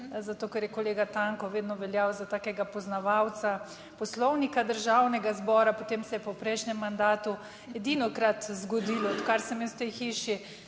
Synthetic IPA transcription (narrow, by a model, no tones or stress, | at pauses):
zat̪oːkɛɾjɛkoleːɡat̪aŋkɔʋeːd̪nɔʋɛljawzat̪aːkɛɡapɔznaʋawt̪sa | pɔslɔwnikad̪əɾʒawnɛɡazbɔːɾapot̪emsɛjɛpɔpɾɛjʃnɛmːand̪aːt̪u | ɛd̪inɔkɾat̪zɡɔd̪iːlɔɔt̪kaɾsɛmjɛst̪ɛjxiːʃi